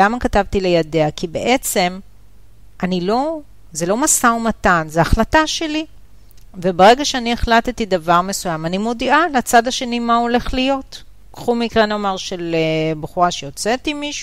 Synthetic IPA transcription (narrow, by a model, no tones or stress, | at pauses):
amakatavtilejadeakibḛʔet͡se̞m | ʔanilo̞ | ze̞lo̞masaomatanzeaχlataʃe̞li | ve̞beʁe̞ɡaʃeanieχlatet̪idavaʁme̞sujamanimodiʔalat͡sadhaʃe̞nimao̞le̞χlijo̞t | kχumikʁenomaʁʃe̞lebeχuʁaʃejot͡setimiʃ